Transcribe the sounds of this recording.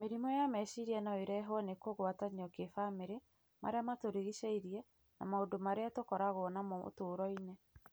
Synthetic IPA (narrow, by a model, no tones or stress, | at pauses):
meɾimɔjamɛʃiɾiɛnaeɾɛɦwɔnekoɣwataɲiɔkefameɾe | ma̰ɾeamatoɾeɣiʃeiɾiɛ | na̰maodomaɾeatokɔɾaɣoɔnamɔo̰toːɾɔine